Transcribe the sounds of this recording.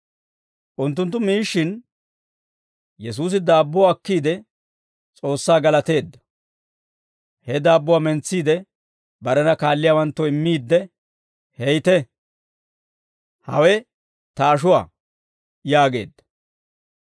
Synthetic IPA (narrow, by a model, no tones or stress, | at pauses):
ʔʊnt̪̬ːʊnt̪ːʊmiːʃːɪn | jɛs̬uːs̬ɪd̪aːbːʊwaːkːiːd̪ɛ | t͡sʼo̞ːsːaːɡɐlɐt̪e̞ːd̪ːɐ̥ | hɛd̪aːbːʊwaːmɛnt͡sːiːd̪ɛ | bɐɾɛnɐkaːlːɪjawɐnt̪ːɔɪmːiːd̪ːɛ | hɛjt̪ɛ | hɐ̰wɛ | t̪ɐːʃʊwa̰ː | jaːɡe̞̰ːd̪ːɐ̥